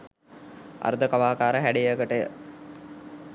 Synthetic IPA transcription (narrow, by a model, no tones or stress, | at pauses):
a̰ɾəd̪əkaʋaːkaːɾəɦæɖijəɡəʈəjə̰